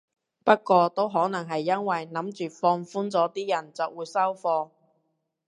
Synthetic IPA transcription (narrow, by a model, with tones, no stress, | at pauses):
pɐ˥t̚kʷɔː˧t̪o˥wɦɔː˨˥nɐ˨˩ŋɦɐ˨jːɐ˥nwɐ˨jnɐ˨˥mt͡ʃyː˨fɔː˧ŋfuː˥nt͡sɔː˨˥t̪iː˥jɐ˨˩nt͡sɐ˨wuː˨˧jsɐ˥wfɔː˧